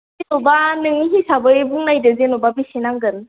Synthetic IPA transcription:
zenobanɯŋiɦisabɯebuŋnajdɯzenobabisenaŋɡɯn

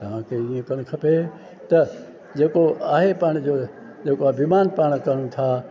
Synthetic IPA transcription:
t̪ɐʋãːkʰeiẽkɐñkʰɐpe | t̪ɐ | d͡ʑeːkoʔaːɦepaːɽ̃d͡ʑoː | d͡ʑeːkoabimaːnpaːɽ̃kɐɽ̃ũt̪ʰaː

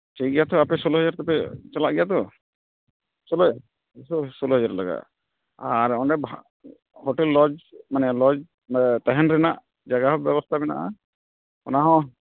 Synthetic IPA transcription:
t͡ʃiɡɛjat̪ɔapɛsɔlɔɦɔd͡ʒaɾt̪ɔpɛt͡ʃalaʔɡɛjat̪ɔ | sɔlɔ | ssɔluɦɔd͡ʒaɾlaɡa̰ʔ | aɾɔnɖɛba | hɔʈɛlːɔd͡ʒmanɛlɔd͡ʒ | mt̪ɛɦɛnɾɛnaʔ | d͡ʒaɡaɦɔbjɛbɔst̪ʰabɛna̰ʔa | ɔnaɦɔ̃

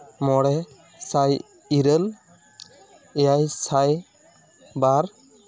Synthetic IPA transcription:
mɔɽɛ | saj | iɾəl | ɛjajsaj | baɾ

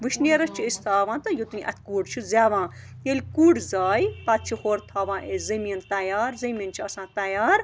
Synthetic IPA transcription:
ʋɨʃneːɾɐst͡ʃʰuist̪ʰaːʋãːt̪ɐjot̪unʲĩʔɐ̰t̪ʰkuːɖt͡ʃʰuzʲaːʋãːjelʲkuːɖzaːjpat̪̚t͡ʃʰihoːɾt̪ʰaːʋãːʔezɐmint̪ɐjaːɾzɐmint͡ʃʰiɐsãːt̪ɐjaːɾ

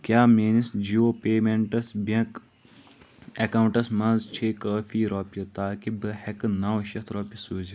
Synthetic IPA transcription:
kjaːmeːnisd͡ʒiːoːpeːmeɳʈɐsbɐ̃k | ekaːwɳʈɐsmɐ̃nzt͡ʃʰeːkaːfiːɾoːpjot̪aːkibɨhɐkɨnaːwʃɐt̪ʰɾoːpisuːzi

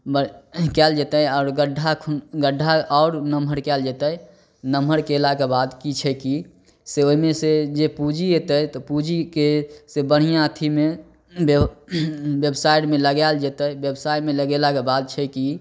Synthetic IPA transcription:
bəkɛld͡ʒet̪əjɔʊɾɡəɖʱːakʰɡəɖʱːaɔʊɾnəməɾkɛld͡ʒet̪ə | nəməɾkelakebad̪kit͡ʃʰɛki | seoimesed͡ʒepud͡ʒiet̪əjt̪ɔpud͡ʒikesebəɽ̤ijãt̪ʰime | bebsajʈmeləɡɛld͡ʒet̪əbjebsajmeləɡelakebad̪̚t͡ʃʰɛki

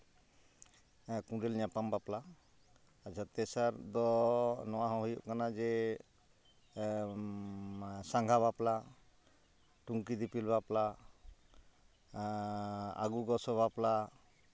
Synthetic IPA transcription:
kũɾɛlɲapambapla | ad͡ʒat̪ɛsaɾd̪ɔnɔwaɦɔ̃ɦujṵʔkanad͡ʒɛ | saŋɡʱaβapla | ʈuŋkid̪ipilbapla | a̰ɡuɡɔsɔbapla

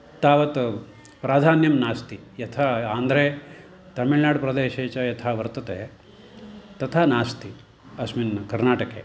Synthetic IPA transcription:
t̪aːʋɐt̪ | pɾaːd̪ʱaːnjɐmnaːst̪i | jɐt̪ʰaːaːnd̪ɾeː | t̪ɐmiɭnaːɽpɾɐd̪eːʃeːt͡ʃɐjɐt̪ʰaːʋɐɾt̪ɐt̪eː | t̪ɐt̪ʰaːnaːst̪i | ɐsminkɐɾnaːʈɐkḛː

